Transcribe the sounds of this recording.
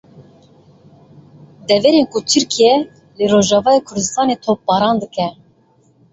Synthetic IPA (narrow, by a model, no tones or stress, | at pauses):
d̪ɛvɛɾenkut̪ʰɨɾkʰijɛ | lɨɾoːʒɑːvɑːjekʰʊɾd̪ɨst̪ɑːnet̪ʰop̚bɑːɾɑːnd̪ɨkɛ